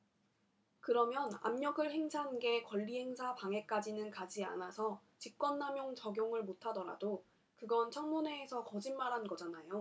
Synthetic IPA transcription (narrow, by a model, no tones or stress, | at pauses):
kɯɾʌmjʌna̰mɲʌɡɯɭɦe̞ŋsʰanɡe̞kwʌʎːiɦe̞ŋsʰapaŋe̞k͈ad͡ʑinɯnkad͡ʑia̰nasʰʌt͡ɕik͈wʌnːamjoŋt͡ɕʌɡjoŋɯɭmotʰadʌɾa̰do | kɯɡʌnt͡ɕʰʌŋmune̞ːsʰʌkʌd͡ʑinmaɾɦanɡʌd͡ʑanajo